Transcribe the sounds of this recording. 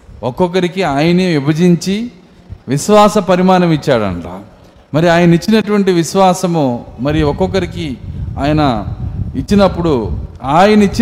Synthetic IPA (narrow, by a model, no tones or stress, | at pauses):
ɔkɔkɐɾikiaːjɐneʋibɐd͡ʒiɲt͡ʃi | ʋiʃʋaːsɐpɐɾimaːnɐmit͡ʃːaːɽɐ̰ɳa̰ː | mɐɾiaːjɐnit͡ʃːinɐʈuʋɐɳʈiʋiʃʋaːsɐmomɐɾijuɔkɔkɐɾikiaːjɐnɐit͡ʃːinɐpːuɽuaːjɐnɐit͡ʃːi